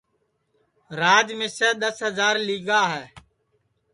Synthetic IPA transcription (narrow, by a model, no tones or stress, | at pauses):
ɾaːd͡ʒmɪːsɛːɗ̪əsɦəzaːɾliːɠaːɦɛː